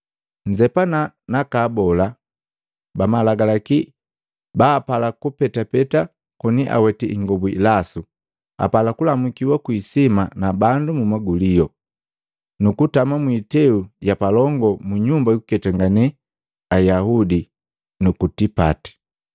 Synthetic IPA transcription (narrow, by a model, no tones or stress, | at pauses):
ɲd͡ʒɛpana | nakaːbɔla | bamalaɡalaki | baːpalakupɛtapɛta | kɔniʔa̰wɛtiʔiŋɡɔbuḭlasu | a̰palakulamukiwakwisimanabandumumaɡulijɔ | nukutamamwitɛujapalɔŋɡɔmuɲumbajukukɛtaŋɡanɛ | ajaɦudi | nukutipati̥